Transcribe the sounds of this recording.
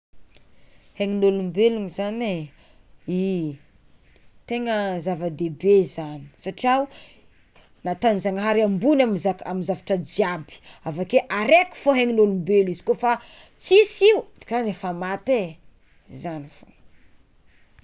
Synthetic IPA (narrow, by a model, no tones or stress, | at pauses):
heŋilolumbeluŋizane | i | t̪eŋəzavad̪ebezani̥saʈ͡ʂiawu | nat̪anzaŋaɦaɾiambunamzaamizavaʈ͡ʂəd͡ʒiabi̥avakeʔaɾeku̥foɦeŋinolumbelizi̥kofa | t͡sisiud̪i̥kanefamat̪e | zanifo